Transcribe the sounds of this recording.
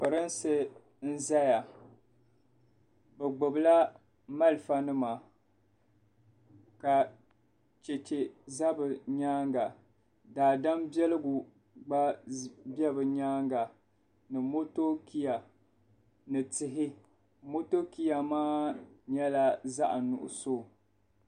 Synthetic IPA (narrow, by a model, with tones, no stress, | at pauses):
pɨ˨ɾɨ˦nsɨ˦ | n̩˦za˦ja˨ | bɛ˨ɡ͡bʊ˨bla˦ | ma˦lɨ˨fa˨nɨ˦ma˨ | ka˨ | t͡ʃɛ˨t͡ʃe˨za˦bɨ˨ɲaː˦ŋɡa˨ | daː˨da˦mbɛ˦lɨ˦ɡu˨ | ɡ͡ba˦bɛ˦bɨ˨ɲaː˦ŋɡa˨ | nɨ˨mo˦to˦ki˦ja˨ | nɨ˨tɪ˨ɦɪ˦ | mo˦to˦ki˦ja˨maː˦ɲɛ˦la˦za˦ʔa˨nʊ̰˨ʔʊ̰˨so˦˨